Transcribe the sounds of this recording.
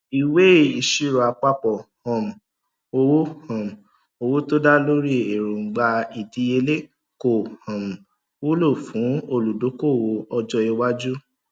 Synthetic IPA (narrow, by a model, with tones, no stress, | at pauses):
i˨we˦˨i˨ʃi˦ɾɔ˨a˨˧k͡pa˧k͡pɔ˨hɔ̃˨m̩˨ | o˧wo˦hɔ̃˨m̩˨ | o˧wo˦to˦da˦lo˦ɾi˦e˨ɾõ˨ɡ͡ba˧i˨ti˧e˧le˦ | ko˨hɔ̃˨m̩˨ | wu˦lo˦˨fũ˨˦o˧lu˨do˨˦ko˦˨wo˧ɔ˧d͡ʒɔ˧i˧wa˦d͡ʒu˦